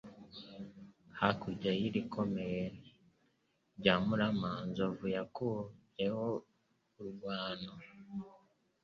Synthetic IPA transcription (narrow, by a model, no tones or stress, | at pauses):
hakuɟajiɾikʰomejn | ɟamuɾamanzovujaku | eho | uɾuɡwaːno